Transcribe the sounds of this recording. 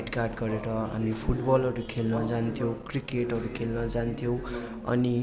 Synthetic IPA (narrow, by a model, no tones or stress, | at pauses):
ʈkarʈɡʌɾeɾʌɦa̰mipʰuʈbʌlʌɾukʰelnʌd͡zant̪ʰjow̃krikeʈɦʌɾukʰelnʌd͡zant̪ʰijõw̃ | ʌ̰ni